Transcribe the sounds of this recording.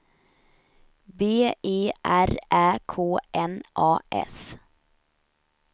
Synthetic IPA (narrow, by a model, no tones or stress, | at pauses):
beːeːʔæɾʔæːkʰoːʔɛnʔɑːʔɛ̰s